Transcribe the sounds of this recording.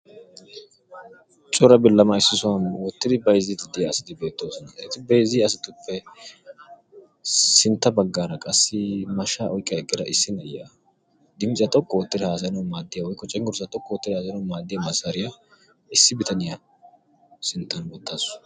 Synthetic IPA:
t͡ʃʼɔɾɐbɪlːɐmɐɪsːɪsʊwɐnwɔt̪ːɪd̪ɪbɐjɪzid̪ɪd̪ɪjɐːsɪd̪ɪbe̞ːt̪ːoːsɔnɐɛt̪ːɪbɐjɪziɐsɪt̪ʊpːɛ | sɪnt̪ːɐbɐɡːaːɾɐkʼɐsːɪmɐʃaːʔɔjkʼːɐkʼːɪd̪ɐ̰ʔɪsːɪnɐja | d̪ɪmɪt͡ʃʼɐt̪ʼɔkːɔwɔt̪ːɪd̪ɪhaːs̬ɐnɐwmaːd̪ːɪjɐwɔjkːɔt͡ʃʼɛŋɡʊɾsɐt̪ʼɔkːɔwɔt̪ːɪd̪ɪhaːsɐjnɐmaːd̪ːɪjamɐsɐɾɪja | ɪsːɪbɪt̪ɐnɪja | sɪnt̪ːɐnwɔt̪ːaːsʊ̥

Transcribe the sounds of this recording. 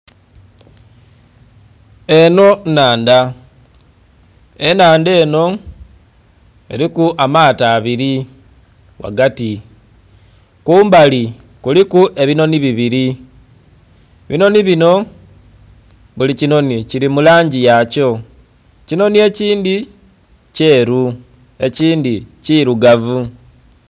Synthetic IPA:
e̞no̞naːnda | e̞naːnde̞ːno̞ | e̞̰ɾikuʔamaːtaːβiɾi | wa̰ɡati | kuːmbali | kulikuʔe̞βino̞niβiβiɾi | βino̞niβino̞ | βulicino̞niciɾimulaːɲɟijaco̞ | cino̞nie̞ciːndi | ce̞ːɾu | e̞ciːndiciɾuɡavu

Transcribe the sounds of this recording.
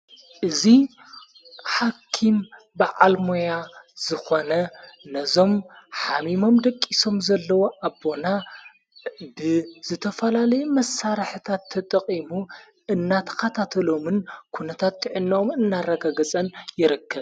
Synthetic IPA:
ʔɨzi | ħakʰːim | baʕalmojaz̥ɨxo̞nɐnɐzo̞mħamimo̞md̪ɐkʼːiso̞mzɐlːɐwoʔabːo̞na | bɨz̥ɨt̪ʰɐfɐlalɐjumɐsːaɾħɨt̪ʰat̪ʰːɐt̪ʼɐχʼimu | ɨnːat̪ʰɐ̥xɐt̪ʰat̪ʰɐlo̞mɨnkʰunɐt̪ʰat̪ːɨʕɨnːomɨnːarɐɡaɡɐt͡sʼɐnjɪɾɨkʰːɐβ

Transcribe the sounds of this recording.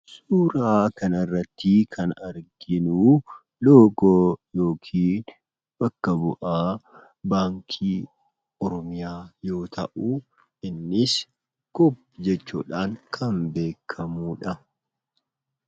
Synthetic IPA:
suːɾaːkɐnɐrːɐt̪ːɪkʰɐnɐɾɡɪnuː | loːɡoːjo̞ːkʰiːn | bɐkːɐbʊʔaː | baːŋkʰiː | ɔɾɔmɪjaːjo̞ːt̪ʰɐʔu | ɪnːɪs | ɡ̥ɔpː | d͡ʒɛt͡ʃːṵːᶑaːŋkʰɐmbeːkʰːɐmuːᶑɐ

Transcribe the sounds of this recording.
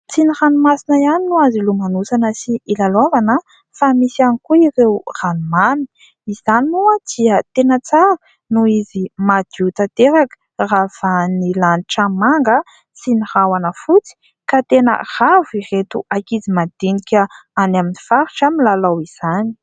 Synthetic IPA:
t͡siniranumasinəjaninuazilumanusanəsiʔilalovanə | famisianikuirewranumani̥ | iz̥aninuad̪̥iət̪enət͡saɾə | nuizimad̪̥ut̪at̪eɾakə̥rafanilaniʈ͡ʂəmaŋɡə | sinihawanəfut͡si̥ | kat̪enə̰r̥aviret̪uʔakizimad̪̥inikʲəanaminifaɾiʈ͡ʂamilalawiz̥ani̥

